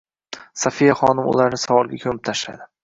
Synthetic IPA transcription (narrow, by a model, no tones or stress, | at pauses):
safijaχɒnɪmʊ̰laɾnɪsavɒlˠɡʲakʲʰɵmɪp̚t̪ʰaʃla̰d̪ɪ